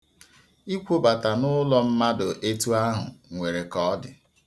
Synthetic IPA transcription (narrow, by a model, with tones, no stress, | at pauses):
i˦kʷo˦ba˨ta˨nʊ˦lɔ˦m̩˦ma˦dʊ˨ʔe˦tu˦a˦ɦʊ̰˨ŋʷe˨ɾe˨kɔ˨˦dɪ̰˨